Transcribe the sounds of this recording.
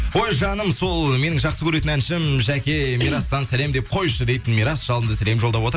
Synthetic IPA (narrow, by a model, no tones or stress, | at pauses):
wo̞jʒɑnəmso̞lˠme̞nɪŋʒɑqsəkʲʰɵɾe̞t̪ɪnænʃɪmʒækʲe̞mijɾɑst̪ɑnsæle̞md̪e̞p̚qʰo̞jʃəd̪e̞jt̪ɪnmijɾɑsʒɑlˠənd̪əsæle̞mʒolˠd̪ɑpwo̞t̪ɾ